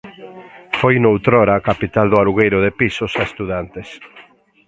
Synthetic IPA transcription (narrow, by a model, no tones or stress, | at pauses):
fojnowt̪ɾɔɾakapit̪ald̪ʊaɾuɣejɾʊðepisʊsaest̪uðant̪es